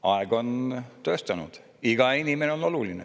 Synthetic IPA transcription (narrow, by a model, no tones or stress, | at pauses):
ɑeɡ̥o̞nt̪ø̞ːst̪ɑnṵd̪̥ | iɡ̥ɑinimeneo̞no̞lulinḛ